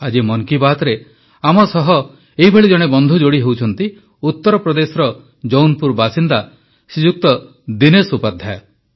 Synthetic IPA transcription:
ad͡ʒimɔŋkibat̪ɾe | amɔsɔɦɔ | eɦibʱeɭid͡ʒɔɽ̃ebɔnd̪ʱud͡ʒoɽiɦewt͡ʃʰɔnt̪i | ut̪ːɔɾɔpɾɔd̪esɔɾɔ | d͡ʒownpuɾbasind̪a | sid͡ʒuk̚t̪ɔ | d̪inesupad̪ʱja

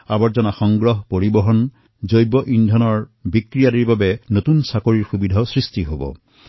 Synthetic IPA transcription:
abɔɹzɔnaxɔŋɡɹɔɦpoɹibɔɦɔn | zojbɔʔindʱɔnɔɹbikɹijadiɹbabɛnotunsakoɹiɹxubidʱasɹistiɦobɔ̰

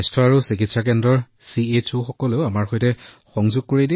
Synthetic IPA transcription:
stʰɔaɹusikitsak̬ɛndɹɔɹ | siet͡ʃʰuxɔkɔleʊamaɹxɔjtɛ | xɔŋzuɡ̚koɹidi

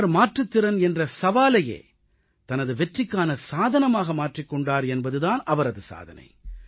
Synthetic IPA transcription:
ɾmaːʈrɯt̪ːɪɾɐnɛndrɐsɐʋaːlɐjḛː | t̪ɐnɐðɯʋɛʈrɪkːaːnɐsaːðɐnɐmaːɣɐmaːʈrɪkːɔɳɖaːɾɛnbɐðɯðaːnɐʋɐɾɐðɯsa̰ːðɐ̰nɐ̰ɪ

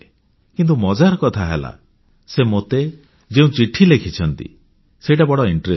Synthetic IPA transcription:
kint̪umɔd͡ʒaɾɔkɔt̪ʰaɦḛla̰ | semot̪e | d͡ʒeũt͡ʃiʈʰilekʰit͡ʃʰɔnt̪ḭ | seiʈabɔɽɔiɳʈɾe

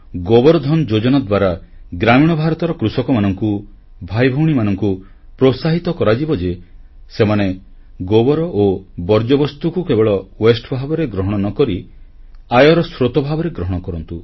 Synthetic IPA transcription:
ɡobɔɾɔd̪ʱɔnd͡ʒod͡ʒɔnɔd̪waɾaɡɾamiɽ̃ɔbʱaɾɔt̪ɔɾɔkɾusɔkɔmanɔŋku | bʱajbʱɔwɽ̃imanɔŋku | pɾosaɦit̪ɔkɔɾad͡ʒibɔd͡ʒe | semane | ɡobɔɾɔʔobɔɾd͡ʒɔbɔst̪ukukebeɭɔwesʈbʱabɔɾeɡɾɔɦɔɽ̃ɔnɔkɔɾi | ajɔɾɔsɾot̪ɔbʱabɔɾeɡɾɔɦɔɽ̃ɔkɔɾɔnt̪u

